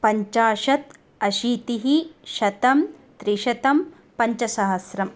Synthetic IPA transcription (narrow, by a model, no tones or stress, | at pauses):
pɐɲt͡ʃaːʃɐt̪ | ɐʃiːt̪iɦiʃɐt̪ɐmt̪ɾiʃɐt̪ɐm | pɐɲt͡ʃɐsɐɦɐsɾɐm